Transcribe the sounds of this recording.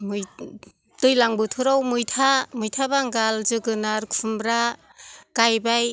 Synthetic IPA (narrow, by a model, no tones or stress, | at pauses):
muj | tɯjlaŋbɯtʰuɾawmujtʰamujtʰabaŋɡalzɯɡɯnaɾkʰumbɾa | kajbaj